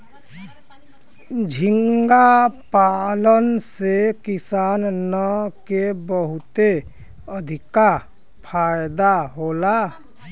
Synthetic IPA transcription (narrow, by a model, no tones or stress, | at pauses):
d͡ʒʱɪŋɡapalənsekɪsaːnnəkebəɦʊt̪e | əd̪ʱɪka | pʰaːjd̪aɦoːla